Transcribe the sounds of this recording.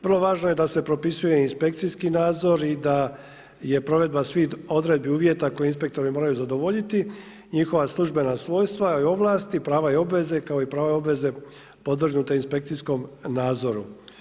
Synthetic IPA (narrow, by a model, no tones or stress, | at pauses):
ʋərlˠo̞ʋaːʒnoje̞d̪ase̞pɾo̞pisujeinspe̞k̚t̪siskinaːd̪zo̞ɾid̪a | je̞pɾo̞ʋe̞d̪basʋiːd̪o̞d̪ɾe̞d̪̚biuːʋje̞t̪ako̞jeinspe̞k̚t̪o̞ɾimo̞ːɾajuzad̪o̞ʋo̞ʎit̪i | ɲixo̞ʋaslˠuʒbe̞nasʋo̞ːjst̪ʋaio̞ʋlˠaːst̪ipɾaːʋajeo̞bʋe̞ze̞kaoipɾaːʋajo̞bʋe̞ze̞ | po̞d̪ʋr̩ɡnut̪einspe̞kt̪sisko̞mnaːd̪zo̞ɾu